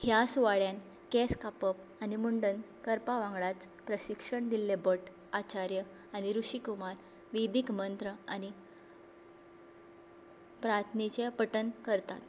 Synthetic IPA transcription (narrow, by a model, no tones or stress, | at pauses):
hjasuʋaɭjan | keskapəp̚ | animuɳɖən | kəɾpaʋãŋɡɭat͡s | pɾəɕikʂəɳd̪ilːebəʈ | at͡ɕaɾjə | añiɾuʂikumaɾ | ʋed̪ikmənt̪ɾəañi | pɾat̪ʰnit͡ɕepəʈənkəɾt̪a̰t̪